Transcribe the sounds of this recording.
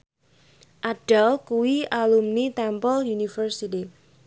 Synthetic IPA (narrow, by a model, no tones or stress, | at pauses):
ʔaɖ̥alkuwialumnit̪ɛmpɔljunifərsit̪i